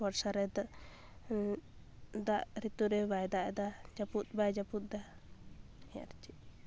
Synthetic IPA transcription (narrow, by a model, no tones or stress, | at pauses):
bɔɾsaɾɛd̪ | d̪aʔɾit̪uɾɛbajd̪aʔɛd̪ad͡ʒaput̪̚bajd͡ʒaput̪̚d̪a | ɛa̰ɾt͡ʃi